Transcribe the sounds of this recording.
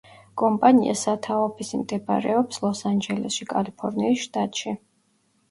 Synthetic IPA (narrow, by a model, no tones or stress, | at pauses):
kʼɔmpʼaniʔa̰sat̪ʰaɔpʰisimd̪ɛpʼɾɛ̰ɔpslˠɔsand͡ʒɛlɛ̰sʃikʼalipʰɔɾniːsʃt̪ʼat̪ʼʃi